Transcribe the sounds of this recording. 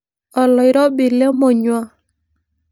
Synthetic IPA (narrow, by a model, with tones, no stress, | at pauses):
ɔ˨lɔ˨ɪ˦ɾɔ˦bɪ˨le˦mo˨ɲwa˦